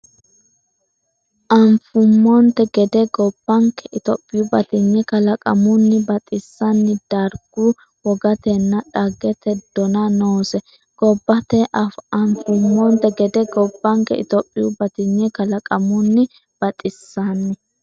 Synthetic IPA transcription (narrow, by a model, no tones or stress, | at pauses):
ʔɐmfʊmːɔnt̪ɛɡɛd̪ɛɡɔb̥ːɐŋkːɛʔɪt̪ɔpʼːɪjʊbɐt̪ɪɲːɛkɐlɐkʼɐmʊnːɪbɐt̪ʼɪsːɐnːɪd̪̥ɐɾɡ̥u | wɔɡɐt̪ɛnːɐᶑɐɡɛt̪ɛd̪̥ɔnɐnoːsɛ | ɡ̥ɔbːɐt̪ɛʔɐfɐɱfʊmːɔnt̪ɛɡɛd̪ɛɡɔbːɐŋkɛ̰ɪ̰t̪ɔpʼːɪjʊbɐt̪ɪɲːɛkɐlɐkʼɐmʊnːɪ | b̥ɐt̪ʼɪsːɐnːɪ